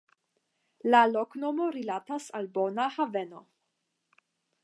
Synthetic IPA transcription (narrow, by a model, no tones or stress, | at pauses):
lalokno̞mo̞ɾilatasalbo̞nahave̞no̞